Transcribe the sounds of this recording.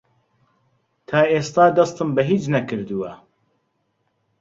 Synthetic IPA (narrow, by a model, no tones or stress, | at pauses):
t̪ʰaːeːst̪aːd̪ɐst̪ɨmbɛɦiːt͡ʃnɐkʰɨɾd̪uwɐ